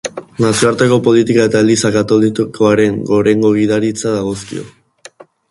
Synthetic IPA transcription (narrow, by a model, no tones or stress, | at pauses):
nasioaɾt̪eko̞po̞lit̪ikae̞t̪aelisakat̪o̞likko̞aɾe̞ŋɡo̞ɾe̞ŋɡo̞ɣ̞iðaɾit͡saðaɣ̞o̞skḭo̞̰